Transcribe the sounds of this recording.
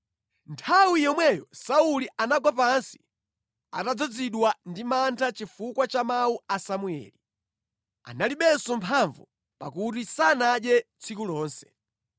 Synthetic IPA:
ntʰawijɔmwɛjɔsauliʔanaɡwap̬ansi̥ | a̰tad͡zɔd͡ziɗwandimantʰat͡ʃifukwat͡ʃamauasamuɛ̰ːli | a̰naliɓɛnsɔmpʰaɱvu | pakutisanaɗjɛt͡sʰikulɔːnsɛ

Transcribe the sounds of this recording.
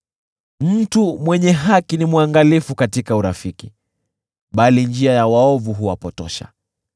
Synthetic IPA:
m̩tumwɛɲɛɦakinimwaŋɡalifukatikauɾafiki | ɓalind͡ʒiajawaɔvuɦuwapɔtɔ̰ʃa̰

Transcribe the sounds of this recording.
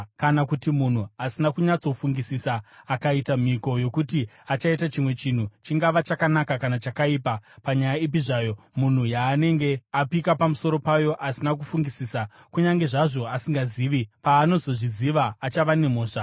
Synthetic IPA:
kanakutimun̤uasinakuɲat͡so̞fuŋɡisisaːkaitam̤iko̞jo̞kuti | at͡ʃaitat͡ʃimwe̞t͡ʃin̤ut͡ʃiŋɡaʋat͡ʃakanakakanat͡ʃakaipapaɲajaip̬iʐaːjo̞ | mun̤ujaːne̞ŋɡe̞apikapamuso̞ɾo̞pajo̞ʔasinak̬ufuŋɡisisa | kuɲaŋɡe̞ʐaʐo̞asiŋɡaziːʋipaːno̞zo̞ʐiziʋaːt͡ʃaʋane̞mo̞ːʂa

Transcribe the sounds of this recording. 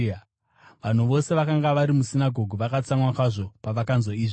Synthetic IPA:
ʋan̤uʋo̞se̞ʋakaŋɡaʋaɾimusinaɡʱo̞ɡʱuʋakat͡samwakaʐo̞paʋakanzoiːʐi

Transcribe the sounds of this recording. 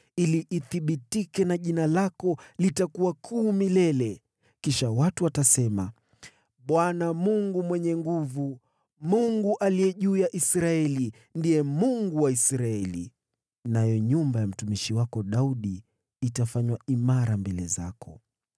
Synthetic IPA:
iliʔːθiɓitikɛnaʄinalakɔlitakuwakʰuːmilɛlɛ | kiʃawatuwatasɛma | ɓwanamuŋɡumwɛɲɛŋɡuvu | muŋɡuʔalijɛʄuːjaʔisɾaɛli | ndijɛmuŋɡuwaisɾaɛlḭ | najɔɲumbajam̩tumiʃiwakɔɗauɗiː | tafaɲwaimaɾambɛlɛ̰za̰kʰɔ̰

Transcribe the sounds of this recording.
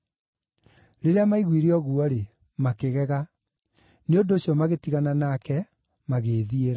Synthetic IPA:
ɾeɾeamaiɣwiɾeɔɣuɔɾe | makeɣɛɣa | neondoːɕjɔmaɣetiɣananakɛ | maɣeːðieɾa

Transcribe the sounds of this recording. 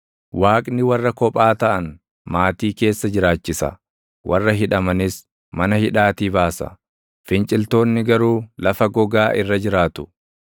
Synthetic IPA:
waːkʼnɪwɐrːɐkɔpʼaːt̪ɐʔɐn | maːt̪iːke̞ːsːɐd͡ʒɪɾaːt͡ʃːɪsɐ̰ | wʔɐrːɐɦɪᶑɐmɐnɪs | mɐnɐhɪᶑaːt̪iːbaːsɐ̰ | fɪnt͡ʃʼɪlt̪o̞ːnːɪɡɐɾuːlɐfɐɡɔɡaːʔɪrːɐd͡ʒɪɾaːt̪ʊ̥

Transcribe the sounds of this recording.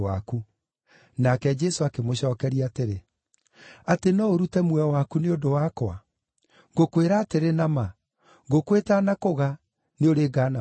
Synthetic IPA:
a̰ku | nakɛd͡ʒɛsoakemoɕɔːkɛɾiateɾe | atenɔoɾutɛmwɛwakuneondowakɔa | ŋɡokweɾaːteɾenama | ɡokwetanakoɣa | neoɾeːɡana

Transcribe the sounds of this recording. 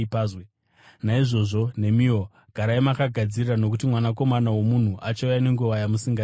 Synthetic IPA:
paːzwe | naiʐo̞ʐo̞n̤e̞mio̞ | ɡ̥ʱaɾaimakaɡʱad͡zirrano̞k̬utimwanak̬o̞manawo̞mun̤uʔat͡ʃaujane̞ŋɡuʋajamusiŋɡa

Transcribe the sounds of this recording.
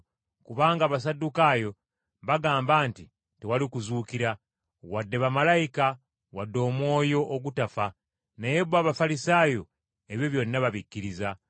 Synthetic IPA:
kuβaːŋɡaːβas̬adːukaːjo̞ | βaɡaːmbaːnti | tewalikuzuːkiɾa | wadːe̞βamalaika | wadːo̞ːmwo̞ːjo̞ʔːɡutafa | najebwaːβafalisaːjo̞ | eβjoβjoninaβaβikːiɾiza

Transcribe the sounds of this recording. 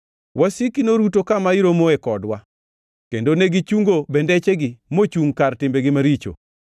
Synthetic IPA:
wʔasikinoɾutokamaiɾomoɛkɔdwa | kendoneɡit͡ʃuŋɡobɛndɛt͡ʃeɡɪmot͡ʃuŋkartɪmbeɡɪmaɾit͡ʃo̰

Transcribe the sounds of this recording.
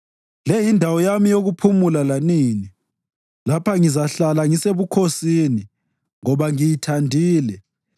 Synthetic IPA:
lɛjindʱawɔjamijoɣupʰumulalaniːni | lapʰaŋizaɬalaŋiseβukʰosini | ŋɔβaŋijitʰandʱiːlɛ

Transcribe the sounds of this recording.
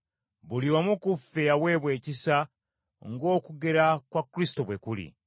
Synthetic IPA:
βuliomukufːejaβwe̞βwe̞ːcisa | ŋɡo̞ːkuɡe̞ɾakwakːɾisi̥to̞βwekulḭ

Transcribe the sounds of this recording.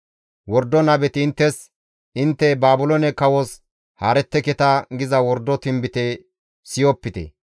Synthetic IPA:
wɔɾd̪ɔnɐbɛt̪ɪːnt̪ːɛs | ɪnt̪ːɛbaːbʊlonɛkɐwɔs | haːɾɛt̪ːɛkɛt̪ɐɡɪzɐwɔɾd̪ːɔt̪ɪmbɪt̪ɛ | sɪjɔpːɪt̪ɛ̰

